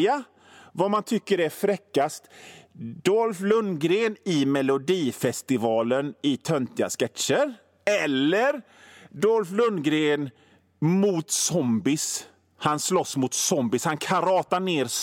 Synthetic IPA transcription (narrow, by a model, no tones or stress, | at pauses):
a | vamant̪ʰʏkːəɾæɾfɾɛkːast̪ | d̪ɔlflɵnːɡɾeːnɪmɛlʊd̪iːfɛst̪ɪvɑːlənɪt̪ʰœnt̪ɪa̰skɛt̪ʂəɾ | ɛlːəɾ | d̪ɔlflɵnːɡɾeːn | muːt̪sɔmbɪs | hanslɔsːmʊt̪sɔmbɪshankʰaɾɑːt̪aɳeːɾ